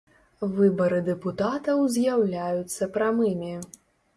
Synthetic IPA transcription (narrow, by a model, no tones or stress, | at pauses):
vɨbɐɾɨd̪ɛput̪at̪ɐwzʲjawlʲajut̪sːɐpɾamɨmʲi